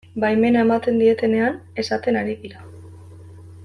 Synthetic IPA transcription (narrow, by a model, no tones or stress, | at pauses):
bajme̞nae̞mat̪e̞nd̪ie̞t̪e̞ne̞ane̞sat̪e̞naɾiðiɾa